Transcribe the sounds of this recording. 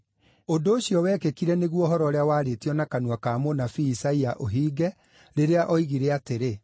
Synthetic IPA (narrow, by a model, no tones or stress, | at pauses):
ondoːɕiɔwɛːkekiɾɛneɣwɔɦɔɾɔɾeawaːɾetiɔnakanwakaːmonafiːsaiaʔoɦiːɡɛ | ɾeɾeaʔɔiɣiɾeateɾe